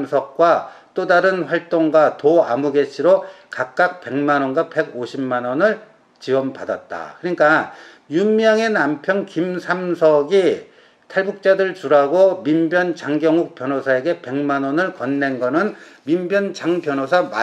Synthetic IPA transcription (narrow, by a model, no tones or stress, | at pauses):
msʰʌk̚k͈wat͈odaɾɯnɸwaɭt͈oŋɡwatoa̰muɡe̞t͡ɕʰiɾokak̚k͈ak̚pe̞ŋmanʌnɡwape̞ɡoɕʰimːanʌnɯɭ | t͡ɕiwʌmpada̰t̚t͈a̰kɯɲik͈a | jumjʌŋe̞nampʰjʌnkimsʰamsʰʌɡi | tʰaɭbuk̚t͡ɕ͈adɯɯɭt͡ɕuɾaɡomimbjʌnt͡ɕaŋɡjʌŋuk̚p͈jʌnosʰae̞ɡe̞pe̞ŋmanʌnɯɭkʌnːe̞nɡʌnɯnmimbjʌnt͡ɕaŋpjʌnosʰama